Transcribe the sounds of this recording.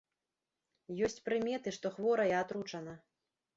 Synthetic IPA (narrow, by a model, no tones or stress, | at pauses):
jɔsʲt͡sʲpɾɨmʲɛt̪ɨʂt̪ɔxvɔɾɐjɛat̪ɾut͡ʂɐnɐ